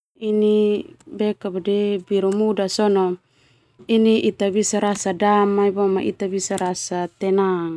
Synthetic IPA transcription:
inibekabadɛbiɾumudasɔnɔ | iniʔit̪abisaɾasadamaibomaʔḭt̪abisaɾasat̪ɛnaŋ

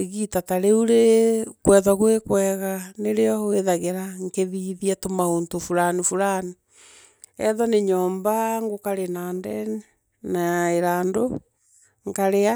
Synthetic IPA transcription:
eɣitataɾeuɾekwɛːðaɣwekwɛɣaneɾeɔweðaɣeɾaŋkeðiðiatomaontofuɾanifuɾani | ɛðɔneɲɔːmbaŋɡokaɾenaːndɛni | naeɾaːndo | ŋkaɾea

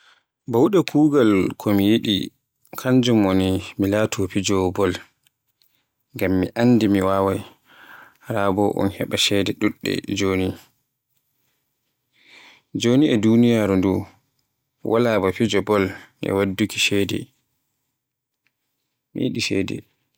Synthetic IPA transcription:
bawɗakʰuːɡalkʰɔmijiɗḭ | kʰaɲd͡ʒumonimilatʰɔfid͡ʒɔbɔl | ŋɡamːiʔandimiwaːwaj | ɾaːbɔʔɔ̰nhɛɓaʃɛdɛɗuɗːɛ̰d͡ʒoni | d͡ʒoniʔɛdunijaɾundu | wʔalabafid͡ʒɔbɔlnɛ̰wadːuki̥ʃɛdɛ̰ | mḭjiɗiʃɛ̰ːdɛ̰

